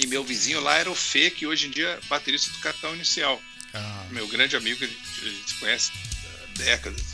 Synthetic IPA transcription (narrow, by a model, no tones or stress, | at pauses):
ɪmewvizĩɲʊlaɛɾɐʊfekɪoʒẽd͡ʒiɐbat̪eɾist̪ɐd̪ʊkat̪ɐ̃w̃inisiaw | amewɡɾɐ̃d͡ʒɪamiɡʊkeẽḛʒẽsɪ̥kõɲɛsɪ̥ | d̪ɛkɐd̪ɐs